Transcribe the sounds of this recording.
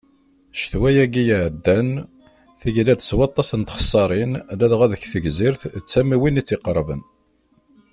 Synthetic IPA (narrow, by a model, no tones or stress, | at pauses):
ʃθwæjæɡijʕd̪ːæn | θiʝlæd̪əswɑt̪ˤːɑsənt̪χə̥sˤːɑɾˤinlæðʁæðəçθəʝziɾθt͡sːæmiwinit͡sːɪqəɾˤvə̰n